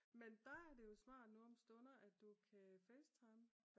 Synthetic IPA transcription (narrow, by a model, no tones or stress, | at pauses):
mend̥ɑæɐd̥e̝jo̝smɑ̰̈ːd̥nuɒ̽msd̥ɔ̽nɐʔæ̥d̥ukʰæfeːst͡sʰɑ̈ɪm